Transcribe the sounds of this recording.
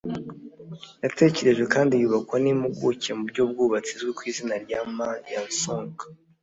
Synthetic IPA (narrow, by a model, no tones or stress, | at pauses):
jate̞ce̞ɾe̞ʒɡwe̞kaːndijuβakwanimuɡucemubɟob̚ɡuβat͡sizɡekwiːzinaɾɟamajansoːŋka